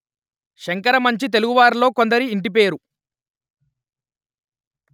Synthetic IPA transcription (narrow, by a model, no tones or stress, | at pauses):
ʃɐŋkɐɾɐmɐɲt͡ʃit̪e̞luɡuʋaːɾlo̞ːkond̪ɐɾiːɳʈip̬e̞ːɾu